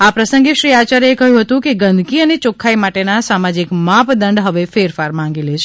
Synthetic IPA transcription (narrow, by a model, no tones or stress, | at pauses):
apɾəsə̃ŋɡeʃɾiat͡ʃaɾekəɦjũɦət̪ũkeɡənd̪ʱkiənet͡ʃokʰːaimaʈenasamad͡ʒikmapd̪əɳɖɦəʋefeɾfaɾmãŋɡelet͡ʃʰe